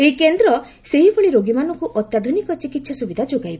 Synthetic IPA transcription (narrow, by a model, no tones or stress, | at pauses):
eikend̪ɾɔ | seɦibɔɭiɾoɡimanɔkuʔɔt̪jad̪ʱunikɔt͡ʃikit̪ːsʰɔsubid̪ʱad͡ʒoɡajbɔ